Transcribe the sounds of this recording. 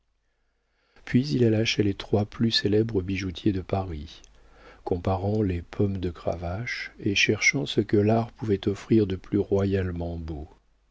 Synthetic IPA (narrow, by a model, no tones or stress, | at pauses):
pɥizilalaʃelet̪χwaplyselɛbʁəbiʒut̪ʰjed̪əpaʁi | kɔ̃paʁɑ̃lepʰɔmd̪əkχa̰vaʃeʃɛʁʃɑ̃səkəlaʁpuvɛt̪ɔfχiʁd̪əplyʁwajalmɑ̃bo